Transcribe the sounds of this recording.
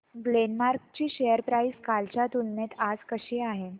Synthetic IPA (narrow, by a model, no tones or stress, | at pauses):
ɡlenmaɾk̚t͡ɕiːɕejəɾpɾaiskalt͡ɕjat̪ulnet̪ad͡zkəɕiːaɦe